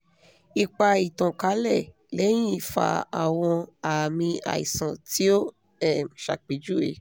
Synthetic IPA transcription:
i˨k͡pa˧i˨tɔ̃˨ka˨˦lɛ˦˨ | lɛ˨˦j̃ĩ˦˨fa̰˧a̰˨w̃ɔ̃˧a˨mĩ˧a̰˨ḭ˨sã˨ti˦o˦ | ɛ˦˨ʃa̰˨k͡pi˨˦d͡ʒu˦ḛ˨˦

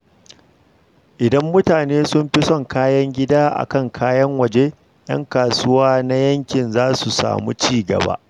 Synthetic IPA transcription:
ʔɪ˨dɐ˦mːʊ˦taː˨neː˦sʊ˦mɸi˦sɔ˦˨ŋkaː˦jɐ˦ŋɡʲɪ˦daː˦ʔa̰˨kɐ˦˨ŋkʰaː˦jɐ˦ŋwɐ˨d͡ʒe˦ | jɐ̰˦ŋkaː˨sʊ˦waː˦na˦jɐ˦ŋkʲɪ˨nzaː˦su˨sa̰ː˨mṵ˦t͡ʃiː˦˨ɡɐ̰˨ba̰ː˦ʔ

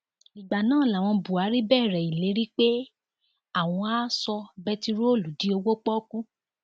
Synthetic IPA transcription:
i˨ɡ͡ba˨nãː˦˨la˨w̃ɔ̃˧bu˨a˨˦ɾi˦bɛː˦˨ɾɛ˨i˨le˨˦ɾi˦k͡pe˦ | a˦˨w̃ɔ̃˧a˦sɔ˧bɛ˧ti˧ɾo˦o˦˨lu˨di˨˦o˧wo˦k͡pɔ˦kũ˦

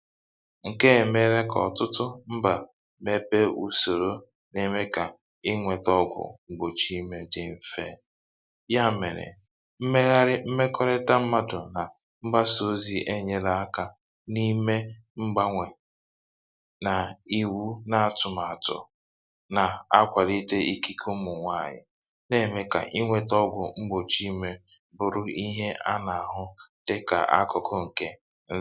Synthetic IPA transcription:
ŋ̩˨ke˦e˨me˦ɾe˦kɔ̰˨tʊ˦tʊ˦m̩˦ba˨ | me˨pe˦u˦so˨ɾo˦ | ne˨me˦ka˨ | ɪ˦ŋʷe˨tɔ˦ɡʷʊ̰˨ŋ͡m̩˨ɡ͡bo˨t͡ʃi˦me˦dɪ˨m̩˨fḛ˦ | ja˦˨mḛ˨ɾɪ̰˨ | m̩˦me˦ɣa˦ɾɪ˦m̩˦me˦kɔ˦ɾɪ˦da˦m̩˦ma˦dʊ˨na˨ | ŋ͡m̩˦ɡ͡ba˦so˦zi˨ʔe˦ɲe˨la˨a˦ka˨ | ni˦me˦ | ŋ͡m̩˦ɡ͡ba˦ŋʷe˨ | na˨i˨wu˦na˨a˨tʊ˨ma˨tʊ̰˨ | na˨a˦kʷa˨li˦te˦i˦ki˦kʰo˦mʊ˨ŋʷa˦˨ɲɪ̰˨ | ne˦˨me˦ka̰˨ʔi˦ŋʷe˦tɔ˦ɡʷʊ̰˨ŋ͡m̩˦ɡ͡bo˨t͡ʃi˦me˦ | bʊ˨ɾʊ˦i˦ɦe˦ʔa˦na˨a˨ɦʊ˦d̥e˦ka̰˨ʔa̰˦kʊ˨kʰʊ˦ŋ̩˨ke˦ | n̩˦

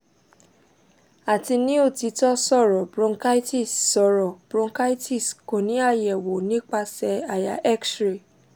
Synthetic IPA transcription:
a˨ti˧nĩ˦o˦˨ti˨˧tɔ˦sɔ˦˨ɾɔ˨bɾɔ̃˧ŋka˦i˦ti˦˨sːɔ˧˨ɾɔ˨b̥ɾɔ̃˧ŋka˦i˦ti˦˨sko˨nĩ˨˦a˦˨jɛ˨wo˨nĩ˦k͡pa˧sɛ˧a˨ja̰˨ʔɛ˦ksɾe˨

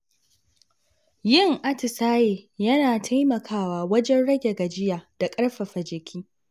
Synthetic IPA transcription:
jɪ˦˨ŋʔa˦tɪ˨saː˦jeː˨jɐ˦naː˨tʰa˦jmɐ˨kʰaː˦˨waː˨wɐ˦d͡ʒɛ˦nɽɐ˦ɡʲe˨ɡɐ˨d͡ʒɪ˦jaː˨d̥a˨kʼɐ˦ɽɸɐ˨ɸɐ˨d͡ʒɪ˨kʲʰiː˦

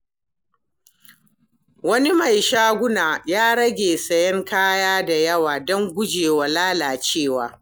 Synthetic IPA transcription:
wɐ˦ni˦ma˨jʃaː˦ɡʷʊ˦naː˨jaː˦ɽɐ˦ɡʲeː˨sɐ˨jɛ˦ŋkaː˦jaː˦da˨jɐ˦waː˨dɔ˦ŋɡʷʊ˦d͡ʒeː˨wa˨laː˦laː˨t͡ʃeː˦˨waː˦

